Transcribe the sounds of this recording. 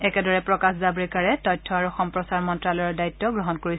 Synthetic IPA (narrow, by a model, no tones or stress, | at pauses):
ɛkɛdɔɹɛpɹɔkaszabɹikaɹɛtɔjtʰːɔaɹuxɔmpɹɔsaɹmɔntɹalɔjɔɹdaitːɔɡɹɔɦɔnkoɹis